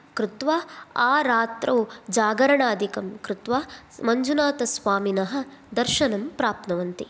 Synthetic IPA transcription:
kɾɪt̪ʋaːaːɾaːt̪ɾɐwd͡ʒaːɡɐɾɐɳaːd̪ʱikɐmkɾut̪ʋaː | mɐɲd͡ʒunaːt̪ɐsʋaːminɐɦɐ̆d̪ɐɾʃɐnɐmpɾaːp̚t̪nɐʋɐnt̪i

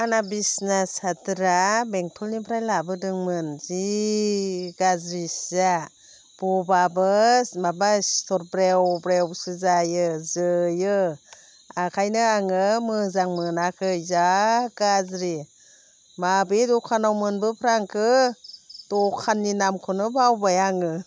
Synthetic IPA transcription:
anabisnasatɯɾabeŋtʰɔlnipʰɾajlabɯdɯŋmɯnzi | ɡazɾisza | b̥ɔbabɯsmabastʰɔɾ̚bɾewbɾewsɯzajɯzɯjɯ | akʰajnɯaŋɯmɯzaŋmɯnakʰɯzaɡ̥azɾi | mabedɔkʰanawmɯnbɯpʰɾaŋkʰɯ | dɔkʰanːinamkʰɔnɯbawbajaŋɯ

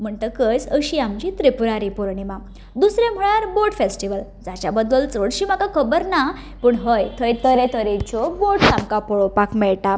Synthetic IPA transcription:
m̤əɳt̪əkəjt͡səɕiamt͡ɕit̪ɾepuɾaɾipɔɾɳima | d̪usɾem̤əɭaɾboʈfesʈiʋəld͡zat͡ɕabəd̪əlt͡səɽɕiːm̤akakʰəbəɾna | pəɳɦəjt̪ʰəjt̪ʰəɾet̪ʰəɾet͡ɕɔboʈsamkapɔɭɔpakmɛɭʈa

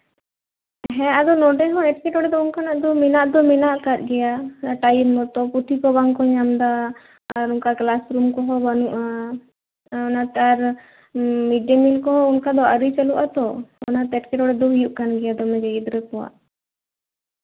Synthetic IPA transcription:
ɦɛ̃ad̪ɔnɔɖɛɦɔ̃ɛʈkɛʈɔɽɛd̪ɔunkanaʔd̪ɔminaʔd̪ɔmɛnaʔkat̪̚ɡɛjaʈajmːɔt̪ɔput̪ʰikɔbaŋkɔɲamd̪aː | ɾunkaklasɾumkɔɦɔbanuʔa | ɔnat̪ɛaɾ | miɖamilkɔɦɔunkad̪ɔaɾijt͡ʃaluʔat̪ɔɔ̰nat̪ɛɛʈkɛʈɔɽɛd̪ɔɦjuʔkanɡɛjad̪ɔmɛ̃d͡ʒɛid̪ɾəkɔwa̰ʔ

